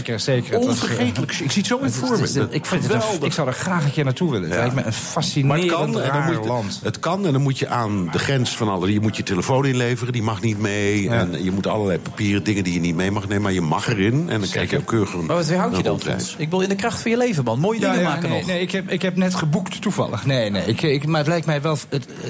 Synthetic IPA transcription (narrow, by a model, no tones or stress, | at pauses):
ksejkəɔnfərxejtələkɪksitsowɪnfoːɹəɪkfˠɪksɔwdəχraːxənkɪːɹnatuʋɪləɛjkməənfasinaɪndnmulɑnntətkɑnɛndɔnmutjəʔaːndəχrɛnsfɑnɑlˠəsjəmutjəteləfoːnɪnleːvərədimɑxnit̚mejɛnjəmutɑ̰lˠəlɛjpapiːrədɪŋəndijənit̚mejmɑxneːməmaɹjəmɑ̰xərɪnɛ̰ndɔnkʰɛ̰jkjəokʰøːɣrənmaʋɔtʋɦawjədɔnɛ̰ɪk̚ʋɪlˠɪndəkrɑxtfɔnjəlejvəmɑnmoːjədɪŋəmaːənɔneɪkhɛpɪkhɛpnɛtχəbuktːuvɑ̰lˠə̰xneːneɪkɪkmaətlɛjk̚tmɛjʋɛlˠət